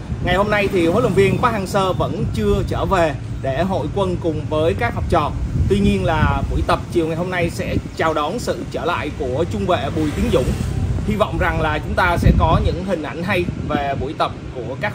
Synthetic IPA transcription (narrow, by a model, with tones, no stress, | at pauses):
ŋa˨˩jho˧mna˧jt̪ʰi˨˩ho˨˦jlwə˨˩ŋ͡mvi˧ənkwaː˨˦˥haː˨˩ŋsəː˧və̰˧˥nt͡ɕɨ˧ət͡ɕəː˧˩ve˨˩ | ɗe˧˩ɦo̰˧˨jkwə˧nkʊ˨˩ŋ͡mvəː˨˦jkaː˦˥k̚hɔ˨˩p̚t͡ɕɔ̰˧˨t̪wi˧ɲi˧ənlaː˨˩ɓṵ˧˩jt̪ə˨˩p̚t͡ɕi˨˩əwŋa˨˩jɦo˧mna˧jsɛ̰˧˥t͡ɕaː˨˩wɗɔ˨˦nsɨ̰˧˨t͡ɕəː˧˩la̰ː˧˨jku˧˩ət͡ɕʊ˧ŋ͡mvḛ˧˨ɓu˨˩jt̪i˨˦ŋzʊ̰˧˥˨ŋ͡mhi˧vɔ̰˧˨wŋ͡mza˨˩ŋlaː˨˩t͡ɕʊ˨˦ŋ͡mt̪aː˧sɛ̰˧˥kɔ˨˦ɲɨ̰˧˥ŋɦï˨˩ŋ̟ʔa˧˩jŋ̟ɦa˧jve˨˩ɓṵ˧˩jt̪ə˨˩p̚ku˧˩əkaː˦˥k̚